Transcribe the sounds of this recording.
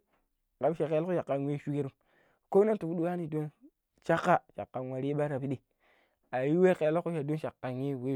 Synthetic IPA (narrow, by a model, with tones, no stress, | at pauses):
ka˨˦ʃa˨ke˨˦lko˦a˨kːa˨nwe˦ʃu˦ke˦ɾu˦m | ko˦na˦n˦tu˨fu˦ɗu˦wa˦ni˦do˦n | t͡ʃa˦kːa˦t͡ʃa˨kːa˨n˨wa˨ɾi˦ɓa˦ɾa˨pi˦ɗi˨ | a˨ji˦we˦ke˨˦lo˦ku˦ʃa˨do˦nʃa˨kːa˨nje˦˨we˦